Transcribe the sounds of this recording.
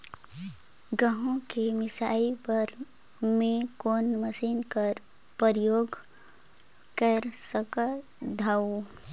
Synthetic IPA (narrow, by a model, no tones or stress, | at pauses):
ɡəɦõkemɪsa̰ipəɾ | mẽkonməsinkəɾ | pəɾjoːɡ | kəɾsəkə | d̪ʱaːo